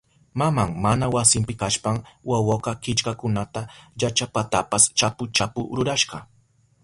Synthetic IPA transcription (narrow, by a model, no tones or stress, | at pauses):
mamaŋmanawasɪmpɪkaʃpaŋwawaqɑkɪt͡ʃkakʊnat̪ajat͡ʃapat̪apast͡ʃapʊt͡ʃapʊɾʊɾaʃɢɑ